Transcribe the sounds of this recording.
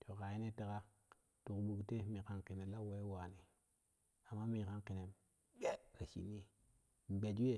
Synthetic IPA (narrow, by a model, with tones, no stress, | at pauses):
tʰo˨ka˨ji˦ne˦te˨ɡa˦ | tu˨kɓu˨ɡte˦mi˨ka˦nki˨ne˨la˦we˦wa˨ni˨ | a˨mːa˦mi˨ka˦nki˨ne˨ | ɓe˦ɾa˨sḭ˨ni˦ | ɡ͡be˨d͡ʒi˦e˦˨